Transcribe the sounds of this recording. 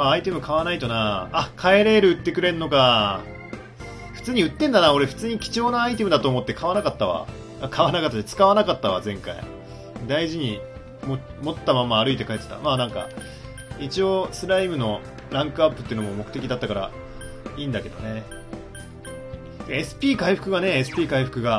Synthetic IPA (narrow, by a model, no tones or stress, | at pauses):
maːit̪e̞mɯ̟kaβanait̪o̞naːkʰae̞ɾe̞ɾɯ̟ɯ̟t̪ːe̞kɯ̟ɾe̞nːo̞ka | ɸɯ̟̥t͡sɨːɲ̟iɯ̟t̪ːẽ̞nd̪anao̞ɾe̞ɸɯ̟̥t͡sɨːɲ̟ikʲi̥t͡ɕo̞ːnaːit̪e̞mɯ̟d̪at̪o̞ːmo̞t̪ːe̞kʰaβanakat̪ːaβa̰ | akʰaβanakat̪ːt̪et͡sɨ̥kaβanakat̪ːaβa̰zẽ̞ŋka̰ḭ | d̪aiʑiɲ̟i | momo̞t̪ːamamaːɾɯit̪ekaet̪ːe̥t̪a̰maːnãŋka̰ | it͡ɕio̞sɨɾaimɯ̟no̞ | ɾãŋkɯ̟apːɯ̥t̪ːeɯnomomo̞kɯ̟̥t̪e̞kʲid̪at̪ːakaɾa̰ | iːnd̪ake̞d̪o̞̰ne̞ | d̪eesɨ̥pʲiːkaiɸɯ̟̥kɯ̟ɡane̞ːs̬ɨ̥pʲiːkaiɸɯ̟kɯ̟ɡa